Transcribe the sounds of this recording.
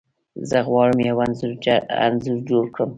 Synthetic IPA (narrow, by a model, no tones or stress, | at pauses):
zaɣwɑːɾəmjawanza̰nzuɾd͡ʒoɾkʰəm